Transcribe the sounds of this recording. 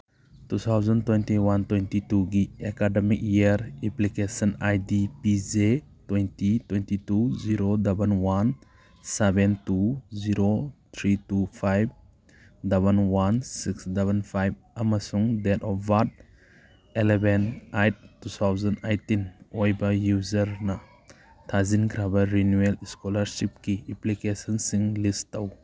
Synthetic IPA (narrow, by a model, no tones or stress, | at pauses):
tut̪ʰawzəntwejntiwantwejntituɡiekademik̚jiɾiplikesɔnajdipize | twejntitwejntituziɾodabənwan | sebɛntuziɾot̪ʰɾitupʰajb | dabɐnwansiksdabanpʰajb̚amasuŋdetɔfbat̚ | elebenajt̚tːut̪ʰawzɐnajtinojbɐjuzɐɾnɐ | tʰazinkʰɾabɐɾinueliskolaɾsip̚kiiplikesɔnsiŋlistːaw